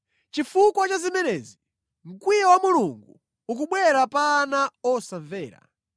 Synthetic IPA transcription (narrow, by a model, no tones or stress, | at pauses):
t͡ʃifukwat͡ʃazimɛnɛzi | m̩kwijawamuluŋɡu | ukuɓwɛɾapaːnaɔsaɱvɛːɾa̰